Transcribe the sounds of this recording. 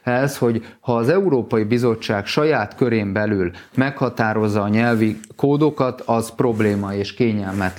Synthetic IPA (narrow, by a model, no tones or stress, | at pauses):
ɛsho̞ɟhɒːzɛuɾoːpɒjibizo̞t͡ʃːaːkʃɒjaːt̪kø̞ɾeːmbɛlylmɛkhɒt̪aːɾo̞zːɒːɲɛlvikoːd̪o̞kɒt̪ʰɒzpro̞bleːmɒeːʃkeːɲɛlmɛt̪